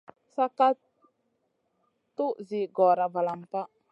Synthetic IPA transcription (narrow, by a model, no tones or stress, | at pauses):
sakat̪ | uʔziɡɔɾabalampaʔ